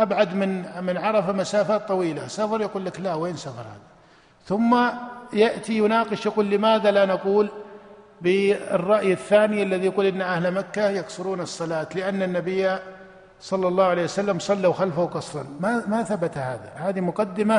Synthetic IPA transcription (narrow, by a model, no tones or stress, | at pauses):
ʔabʕad̪mɪnmɪnʕɑɾˤɑfamasaːfaːt̪ˤːɑwiːlasafɑɾˤjaquːlːaklaweːnsafɑ̰ɾˤha̰ːða | θʊmːajaʔt̪ijʊnɑːqɪʃjaquːlːɪmaːðalanaquːl | bɪɪ̰rˤːɑʔjaθːaːnɪalːaðijaquːlʔɪnːʔahlmakːajɑksʊɾuːnɨsˤːɑlɑːt̪lɪʔanːanːabɪjːa | sˤɑlːɑlˤːɑːhʊʕalejwasalːamsˤɑlːawxalfawqɑsˤɾˤɑ̰nmamaθabat̪haːða̰haːðimʊqɑd̪ːɪma